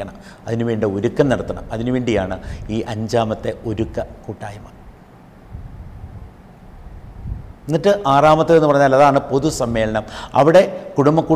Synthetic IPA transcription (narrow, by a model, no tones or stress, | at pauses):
ɐɳɐm | ɐðinuʋeːɳɖeo̞ɾukːɐmnɐɽɐt̪ːɐɳɐ̰mɐðinuʋeːɳɖijaːɳɨiːʔɐɲd͡ʑaːmɐt̪ːe̞o̞ɾukːɐkuːʈːaːjɐmɐ | enːiʈːɨʔaːraːmɐt̪ːile̞nːɨpɐrɐɲːaːlɐðaːɳɨpo̞ðusɐmːe̞ːlɐɳɐmɐ̰ʋiɽe̞kuɽumbɐkːuː